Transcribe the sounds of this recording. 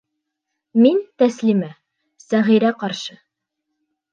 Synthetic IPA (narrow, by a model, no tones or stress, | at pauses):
mint̪æslimæ | sæʁiɾæqɑɾʃɤ